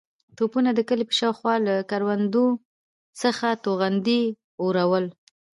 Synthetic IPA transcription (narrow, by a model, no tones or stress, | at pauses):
t̪opunad̪əkəlepə̥ʃɑwxwɑlakaɾwand̪o | səxat̪oɣand̪i | oɾawəl